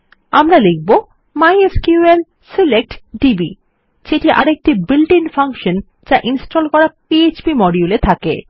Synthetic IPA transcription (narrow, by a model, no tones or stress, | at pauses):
amɾalek̚ʰbo | majeskjuel | silek̚ʈɖibḭ | ʃeʈiʔaɾek̚ʈibilɖinfaŋkʃon | d͡ʑaʔinsʈolkɔɾapiet͡ɕbimɔɾiulet̪ʰakḛ